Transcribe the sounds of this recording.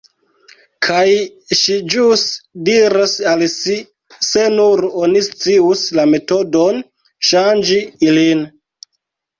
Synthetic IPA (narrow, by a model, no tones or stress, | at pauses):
kʰaj | ʃid͡ʒusdiɾasalsi | se̞nuɾonist͡siuslame̞to̞do̞n | ʃand͡ʒiilin